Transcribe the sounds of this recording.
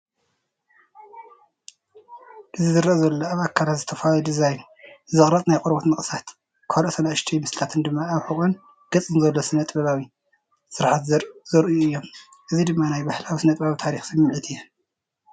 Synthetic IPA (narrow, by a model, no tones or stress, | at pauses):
ʔɨzizɨɾɐzɐlːoaβakʰːalat̪zɨt̪ʰɐfalod̪izajn | zɨχʼɾɐt̪ʼnajqʼoɾbot̪mɨχʼɨsat̪ | kʰolsɐnaʔɨʃt̪ʰijmɨslt̪ʰat̪ʰɨnd̪ɨmːaːβħuχʼon | ɡ̥ɐt͡sʼɨnzɐlːosɨnɐt̪ʼbɐβawi | sɨɾħat̪zɨɾzɨɾʔɨjuɨjːo̞m | ʔɨzid̪ɨmːanajbahlawisɨnɐt̪ʼbawit̪ʰaɾixsɨmmʕɨt̪ʰɨjɛ